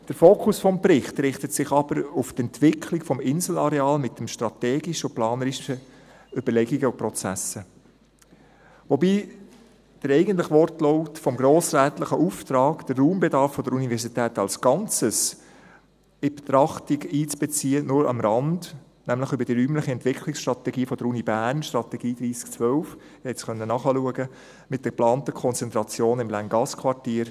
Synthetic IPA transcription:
d̥əɾfoːkʰʊsfɔmpɾɪχt̪ɾɪχtətsɪχɑbəɾuft̪ɛntʋɪkʰlikfɔmɪnzl̩ɑɾeɑːlmɪtːəmʃtɾɑt̪ɛːɡiʃəʊplɑːnəɾiʃə | ʏbəɾlɛɡiɡəʊpɾɔt͡sæsə | ʋobiː | d̥əɾɛɪɡən̩t̪̬ləχʋɔrtlɔʊtfɔmɡɾoːsɾæːt̪ləχəʔuft̪ɾɑːɡd̥ərːuːmbɛdɑɾfːɔd̥əɾunivɛɾsitɛːtɑlsɡ̥ɑnt͡səs | ɪbt̪ɾɑχtiɡiːt͡sb̥ɛt͡siːənʊɾɑ̰mɾɑnd | næmlɪχʏbəɾd̥iːɾyːmlɪχəɛntʋɪkʰlɪksʃtɾɑt̪ɛɡiːfɔd̥əɾunibæːɾnʃtɾɑt̪ɛɡiːd̥̪ɾiːskt͡sʋœlf | ɪhɛɪsχœnːənɑːχɑluəɡə | mɪt̚d̥əplɑːnt̪əkʰɔnt͡sɛnt̪ɾɑt͡sjoːnɪmlæŋɡɑskʰʋɑɾtiːɾ

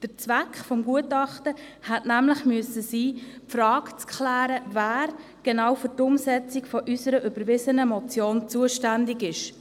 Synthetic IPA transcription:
d̥əɾt͡svækχfɔmɡuətɑχtə | hɛtnæmlɪχmyəsəsiːpfrɑːkt͡skχlæːɾəvæːɾ | ɡ̥enawfʏɾtʊmsɛt͡sikfɔʔysəɾəʔyb̥əɾʋɪzənəmɔt͡sjoːnt͡suəʃtændɪɡɪʃ

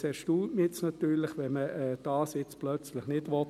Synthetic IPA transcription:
sɛʃtuːltmiɪt͡snɑt̪yːɾlɪχʋɛnməɛːd̥aːsɪt͡splœt͡slɪχnɪdʋɔ

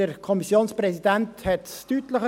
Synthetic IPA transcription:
əɾkʰɔmisjoːnsprɛsid̪ænthɛt̪tytləχə

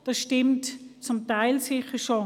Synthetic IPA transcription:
d̥ɑsʃtɪmtt͡sʊmtaɪlsɪχəʃo

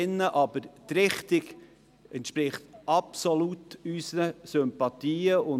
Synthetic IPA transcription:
nːəʔɑb̥əɾt̪ɾɪχt̪ɪɡ | ɛnt̪ʃpɾɪχt̪ʔɑpsɔlut̪ysnəsʏmpɑt̪iːəʊ

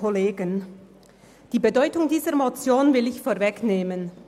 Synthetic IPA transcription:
oleːɡən | d̥iːbədɔʏtʊŋdiːzəʁmot͡sjoːnvɪlɪçfoːɐvɛkneːmən

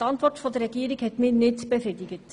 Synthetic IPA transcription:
ɑntʋɔrtfodərɛɡ̥iːɾɪkhɛtmɪnɪtb̥əfridɪɡət

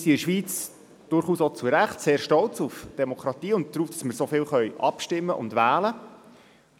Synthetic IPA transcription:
siɪʃʋiːt͡s | d̥ʊrχuːsot͡suɾæχtseːɾʃtɔlt͡sufd̥ɛmɔkʰɾɑt̪iːʊnt̚d̥ɾuːfd̥ɑsməɾsofɪːlχœjʔɑ̰pʃtɪmːəʔʊ̰ndʋæːlə

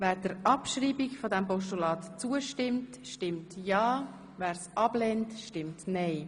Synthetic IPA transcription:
vɛːɾdəɾɑpʃriːbikfodɛmpɔʃtulɑːtt͡suəʃtɪmt | ʃtɪmtjɑː | væːɾsʔɑb̥lɛntʃtɪmtnɛɪ

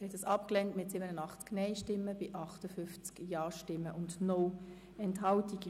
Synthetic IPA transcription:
ɾhɛtəsɑpklɛntmɪtsiːbənənɑχt͡sknɛɪʃtɪmːəb̥ɪʔɑχtəfʏft͡skjɑːʃtɪmːəʔʊndnɔ | ɛntɦɑltiɡ

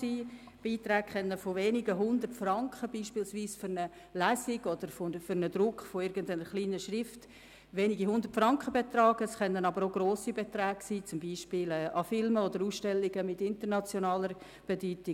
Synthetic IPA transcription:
i | b̥iːtɾæːkχɛnːəfoʋeːniɡəɦʊnd̪ərtfrɑŋkχəbiːʃpiːlsʋiːsfʏɾnə | læsɪɡɔd̥̪əɾfofʏɾnəd̪ɾʊkχfoɪɾɡəndanəɾχliːnəʃɾɪft | ʋeːniɡiɦʊnd̪əɾtfɾɑŋkχəbet̪ɾɑːɡ̥əsχɛnənɑbəɾoɡɾoːsibet̪ɾɛːɡ̥siːt͡sʊmbiːʃpɪːlɛːʔɑfɪlməɔdəɾuːsʃtɛlːɪɡəmɪtɪntəɾnɑt͡sjɔnɑːləɾ | b̥ɛdyːtɪ

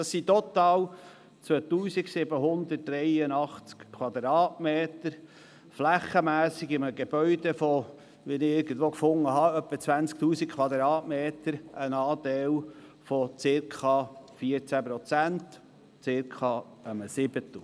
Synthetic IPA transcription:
ɑsːit̪ɔt̪ɑːw | t͡sʋøt̪uːsiksɪbəɦʊnd̪ətːɾɛjənɑχt͡skkʰwɑd̪ɾɑːtmeːt̪əɾ | flæχːəmæːsiɡɪməɡeb̥œʏd̪ɛfɔ | ʋinɪɪɾɡən̩d̪ʋoːkfʊŋːəɦɑœpːət͡sʋænt͡sk̚t̪uːsikkʰʋɑd̪ɾɑːtmeːt̪əɾənɑːd̪ɛw | fɔt͡sɪɾkʰɑfiəɾt͡sæpɾɔt͡sænt | t͡sɪɾkʰχɑː | əməsɪb̥ət̪u

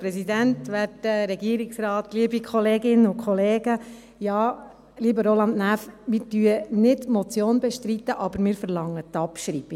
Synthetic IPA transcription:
pɾɛsidænt̪ʋætəɾɛɡiəɾɪksɾɑːt̪liəbikʰχɔleːɡɪnːəʊkʰχɔleːɡə | jɑː | liːbəɾolɑnd̪næfmɪːɾtyənɪdmɔt͡sjoːnbɛʃtɾit̪ːəʔɑbəɾmɪːɾfəɾlɑŋːət̪ɑpʃɾiːb̥i

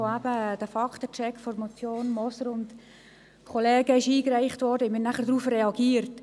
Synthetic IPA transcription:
oæb̥əd̥əfɑktət͡ʃɛkfɔɾmot͡sjoːnmɔsəɾʊnt | kʰɔlɛːɡəɪʃiːkræɪχtʋɔɾdəɪmɪnæχəɾdɾuːfrɛɑɡiːəɾt

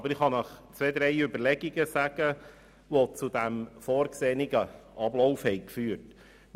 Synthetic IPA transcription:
bəɾɪχhɑnɑχt͡sʋed̪ɾɛɪʏbəɾlɛɡiɡəsæɡ̥ə | ʋot͡sud̪æmfɔːɾkseːnɪɡəʔɑblɔʊfhɛɪkfyːət

